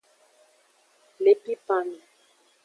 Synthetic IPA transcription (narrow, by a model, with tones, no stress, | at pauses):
le˨pi˦pa˨ni˨